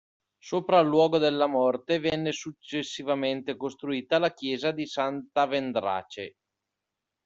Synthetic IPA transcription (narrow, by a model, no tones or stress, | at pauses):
soːpɾaːlːwɔːɡod̪elːamɔrt̪evɛnːesut͡ʃːesːivament̪ekost̪ɾuiːt̪alakjɛːzad̪isant̪avend̪ɾa̰ːt͡ʃḛ